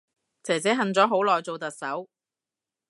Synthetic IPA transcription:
t͡sʰɛː˨˩jt͡sɛː˨˥ɦɐ˨nt͡sɔː˨˥ɦo˨˥wlɔː˨jt͡so˨wt̪ɐ˨k̚sɐ˨˥w

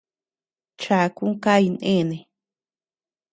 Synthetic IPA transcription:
t͡ʃa˧˨˧ku˦ka˦i˧nḛ̃˦˨nẽ˨

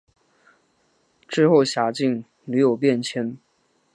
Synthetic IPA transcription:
ʈ͡ʂɻ̩˥˧xo˥˩ʊɕja˨˩t͡ɕi˥˩ŋ | ly˧˥jo˨˩ʊpjɛ˥˩nt͡ɕʰjɛ˧˥n

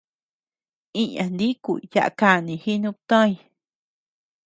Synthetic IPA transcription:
ĩ˦ɲã˨nd̪i˦kʷṵ˧˨ja̰˧ʔka˧˨nĩ˧hi˦nũ˦p̚t̪ã˦ĩ˧

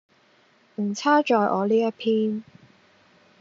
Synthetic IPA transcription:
m̩˨˩t͡sʰaː˥t͡ʃɔː˨jʔɔ̰ː˨˧liː˥jɐ˥t̚pʰiː˥n

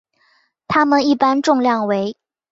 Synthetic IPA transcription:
t̪ʰa˥mə˨ni˥˩pa˥nʈ͡ʂʊ˥˧ŋljɑ˥˩ŋwe˧˥ɪ

